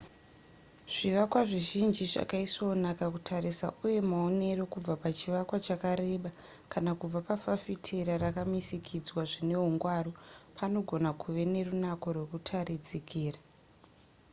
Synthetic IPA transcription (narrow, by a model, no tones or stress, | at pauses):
ʐ̥iʋakwaʐiʒind͡ʒiʐa̰kaiso̞nakakutʰaɾisa̰ʔuje̞mao̞ne̞ro̞kub͡vapat͡ʃiʋakwat͡ʃakaɾe̞ɓa | kanakub͡vapafafitʰeɾaɾakamisikʰid͡zwaʐine̞ɦuŋɡwaːropʰano̞ɡʱo̞nakuʋe̞ne̞runako̞rwe̞kutʰarid͡zikiːra